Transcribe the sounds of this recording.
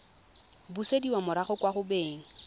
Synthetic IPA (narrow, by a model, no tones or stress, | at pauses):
busediwamʊɾaχʊkwaχʊbeːŋ̩